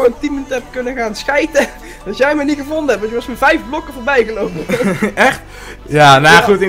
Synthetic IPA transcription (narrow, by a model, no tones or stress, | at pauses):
oəntiməntɛp̚kønəɣaːnsxɛjtə | dɔtjɛjməniχəvondəɛp̚ɔsjəʋɑsməvɛjfblokəvoːɹbɛjɣəlowpəɛxt | janaχutɪ